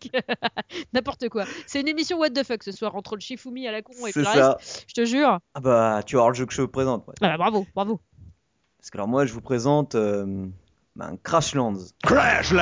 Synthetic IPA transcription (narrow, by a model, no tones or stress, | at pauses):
nɛ̃pɔʁt̪əkwasɛt̪ynemisjɔ̃wɛd̪̚d̪əfœksəswaʁɑ̃t̪χələʃifumialakɔ̃esɛasaʒə̥t̪əʒyːʁabat̪yaɔʁləʒøkəʒəvupχezɑ̃t̪̚mwa̰ababʁavob̥ʁavo | pḁskalɔ̰ʁmwaʒəvupχezɑ̃t̪ø | bã̰kχaʃlɑ̃d̪zkaʃl